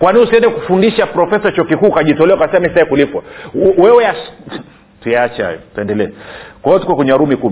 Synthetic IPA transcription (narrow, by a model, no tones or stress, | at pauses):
kwaniusiɛndɛku̥fundiʃapɾɔfɛsat͡ʃɔkikuːkaʄitɔlɛwakasɛmisaikulikwa̰wɛwɛja | tujaat͡ʃaha̰jɔ̰twɛndɛlɛɛkwaɔtu̥kɔkɛɲaɾumikum